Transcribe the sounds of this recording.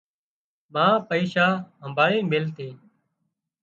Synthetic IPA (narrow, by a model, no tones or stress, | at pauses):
mãːpəiːʃaːɦəmbaːɭĩːmeːlt̪ʰeː